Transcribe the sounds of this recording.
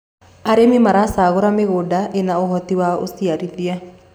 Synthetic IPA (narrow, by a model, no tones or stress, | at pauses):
aɾemimaɾasaɣoɾameɣoɖaʔenaoɦɔt̪iwao̰siaɾidia